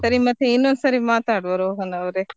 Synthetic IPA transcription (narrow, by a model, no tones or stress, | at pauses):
sɐɾimɐt̪ʰːjeinːond̪saɾimaːt̪aːɽʋɐɾooɦɐnɐʋɾe